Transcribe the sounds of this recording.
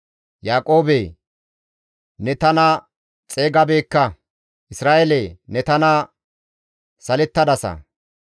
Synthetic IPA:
jaːkʼo̞ːbeː | nɛt̪ɐnɐ | t͡sʼeːɡɐbe̞ːkːɐ | ʔɪsɾaːʔeleːnɛt̪ɐna | sɐlɛt̪ːɐd̪ɐsɐ̰

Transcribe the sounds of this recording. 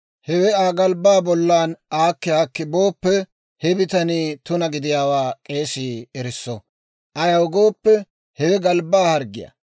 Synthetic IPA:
hɛwɛaːɡɐlbaːbɔlːaːnaːkːɪaːkːɪboːpːɛ | hɛbɪt̪ɐniːt̪ʊnɐɡɪd̪ɪjaːwaːkʼe̞ːsiːɛɾɪsːɔ | ʔɐjɐwɡoːpːɛ | hɛwɛɡɐlbaːhɐɾɡɪjɐ̰

